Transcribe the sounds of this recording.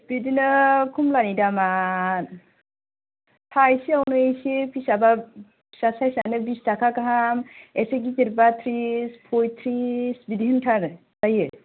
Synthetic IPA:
bidinɯkʰumlanidaman | pʰajsiawnɯesepʰisaba | sasajsanɯbistakʰakaɦamɛseɡit͡ʃiɾbat̪ʰɾispʰojt̪ʰɾisbid̪iɯntʰaɾ | taje

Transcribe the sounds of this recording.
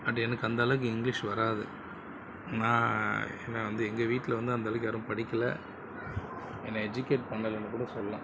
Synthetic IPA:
ɐʈːɛnɐkːɯɐnd̪ɐɐlɐkɯɪŋɡlɪʂʋɐɾaːðɯ | nãːɛ̰nːɐʋɐnd̪ɯɛŋɡɐʋiːʈːɪlɐʋɐnd̪ɯɐnd̪ɐlɐkɯjaːɾʊ̃pɐɽɪkːɐlɐ̰ | ɛnːɐɛd͡ʒʊkeːʈ̚pɐɳːɐlɐnːɯkuːɽɐsɔlːɐlã̰ː

